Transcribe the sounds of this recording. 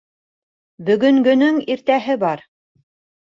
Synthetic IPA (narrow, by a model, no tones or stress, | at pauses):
bɵ̆ɡɵ̆ŋɡɵ̆nɵŋiɾt̪æɦɘbɑɾ